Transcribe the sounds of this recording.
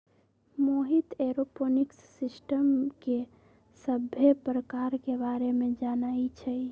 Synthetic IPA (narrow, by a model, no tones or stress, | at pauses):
moɦit̪eɾoponiksːisʈəmke | səbʱjepɾəkaɾkebaɾemed͡ʒanait͡ʃʰɛ